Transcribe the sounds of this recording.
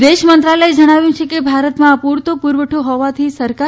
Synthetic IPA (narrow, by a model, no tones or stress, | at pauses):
d̪eʃmənt̪ɾalaed͡ʒəɽ̃aʋjũt͡ʃʰekebʱaɾət̪mãpuɾt̪opuɾʋəʈʰoɦɔʋat̪ʰisəɾka